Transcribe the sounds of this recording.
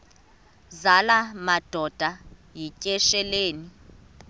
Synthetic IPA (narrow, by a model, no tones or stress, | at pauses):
zalamad̥ʱɔd̥ʱajicʼɛʃɛleːni